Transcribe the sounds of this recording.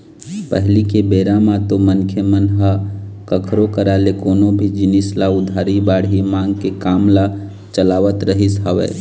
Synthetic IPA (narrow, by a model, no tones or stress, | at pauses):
pəɦlikebeːɾamãt̪omənkʰəmənɦəkəkʰɾokəɾalekoːnobʱid͡ʒɪnislaʊd̪ʱaːɾibaːɽɦimãːŋɡkekaːmla | t͡ʃəlaːʋət̪ɾəɦisɦəʋɛ̰ː